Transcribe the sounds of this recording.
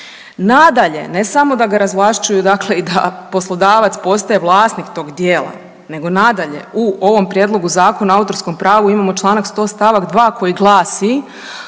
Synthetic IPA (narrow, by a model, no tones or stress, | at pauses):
nad̪aʎe̞̰ne̞samo̞d̪aɡaɾazʋlˠaʃt͡ʃujud̪akle̞id̪a̰po̞slˠod̪aːʋat̪spo̞st̪ajeʋlˠaːsnikt̪o̞ːɡd̪je̞ːlˠa̰ | ne̞ɡo̞nad̪aʎe̞̰uo̞ʋo̞mpɾjed̪lˠo̞ɡuzaːko̞naaut̪o̞ɾsko̞mpɾaːʋuimaːmot͡ʃlˠaːnakst̪o̞ːst̪aʋakd̪ʋaːko̞jiɡlˠaːsi